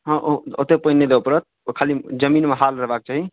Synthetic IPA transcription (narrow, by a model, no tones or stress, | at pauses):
ɦə̃ʔoo̰t̪epəinːed̪ebapəɾət̪̚ | kʰalid͡ʒəminmeɦalɾəɦbak̚t͡ʃaɦi